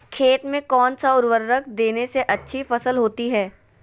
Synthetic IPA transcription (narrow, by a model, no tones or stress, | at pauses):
kʰeːt̪mẽkɔːnsaʊɾʋəɾːəkd̪eːneseʔɐtːʃʰifɐsəlɦoːt̪iɦɛː